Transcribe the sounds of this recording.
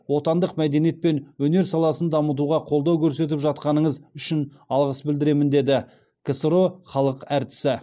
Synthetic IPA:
wo̞t̪ɑnd̪əqmæd̪e̞nije̞t̪̚pe̞nwɵne̞ɾsɑlˠɑsənd̪ɑmət̪̬uʁɑqʰo̞lˠd̪ɑwkʲʰɵɾse̞t̪̬ɪpʒɑt̪qɑnəɴəzʏʃɪn | ɑlˠʁəsbɪld̪ɪɾe̞mɪnd̪e̞d̪ɪ | kʲʰesəɾo̞χɑlˠəqæɾt̪ɪ̥sɪ

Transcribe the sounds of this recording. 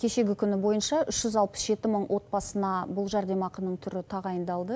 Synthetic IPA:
kʲʰe̞ʃe̞ɡʲɪkʲʰʏnɪbo̞jənʃɑʔʏʃʒ̥ʏzɑlˠpə̥sʒe̞t̪ɪməɴwʔo̞t̪̚bɑsənɑbʊlˠʒɑɾd̪e̞mɑqənəɴt̪ʰʏɾɪt̪ʰɑʁɑjənd̪ɑlˠd̪ə

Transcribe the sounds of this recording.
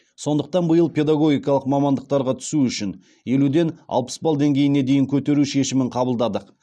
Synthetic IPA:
so̞nd̪əq̚t̪ɑnbəjəlˠpʲe̞d̪ɑɡo̞ɡʲijkɑlˠəqmɑmɑnd̪əq̚t̪ɑɾʁɑt̪ʰʏ̥suʏʃɪn | je̞lud̪e̞nɑ̰lˠpə̥sbɑlˠd̪e̞ŋɡʲe̞jɪne̞d̪ejɪŋkʲʰɵt̪e̞ɾuʃe̞ʃɪmɪɴqʰɑbəlˠd̪ɑd̪əq

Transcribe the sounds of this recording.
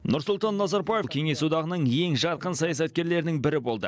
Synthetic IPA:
nʊɾsʊlˠt̪ɑnːɑzɑɾbɑjekʲʰe̞ŋe̞sud̪ɑʁənəɴje̞ŋʒɑt̪̚qənsɑjɑsɑt̪̚kʲe̞ɾle̞ɾɪnɪŋbɪɾɪbo̞lˠd̪ə̰

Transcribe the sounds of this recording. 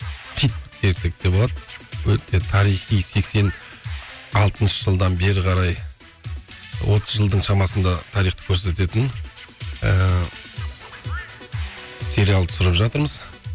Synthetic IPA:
t̪ʰijt̪̚kʰʲeɾse̞k̚d̪ebolˠɑd̪əwɵt̪e̞t̪ʰɑɾijχijse̞kse̞n | ɑlˠt̪ənʃə̥ʒəlˠd̪ɑnbe̞ɾɪqʰɑɾɑj | wo̞t̪ʰəzʒəlˠd̪əɴʃɑmɑsənd̪ɑt̪ʰɑɾijχt̪ə̥kʲʰɵɾse̞t̪e̞t̪ɪn | ə | se̞ɾijalˠt̪ʰʊ̥sʊɾəpʒɑt̪əɾməz

